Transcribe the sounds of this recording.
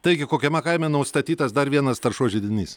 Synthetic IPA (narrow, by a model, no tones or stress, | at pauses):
t̪ɐɪɡʲɪkoːkʲɛmʲɛkɐɪmʲɛnɐʊst̪ɐt̪ʲiːt̪ɐsd̪ɐɾʋʲiɛnɐst̪ɐɾʃuɔʒʲɪd̪ʲɪnʲḭːs